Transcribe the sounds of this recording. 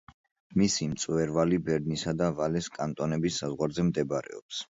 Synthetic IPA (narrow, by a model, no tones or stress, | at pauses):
misimt̪sʼwɛɾvalibɛɾd̪nisad̪avalɛskʼant̪ʼɔnɛbisːazʁwaɾzɛmd̪ɛbaɾɛ̰ɔps